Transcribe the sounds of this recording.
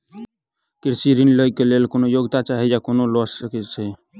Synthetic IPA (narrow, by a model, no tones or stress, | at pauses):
kiɾsiɾinləikelelkonojoɡt̪at͡ʃaɦɛjakonolɔsəkɛt͡ʃʰɛ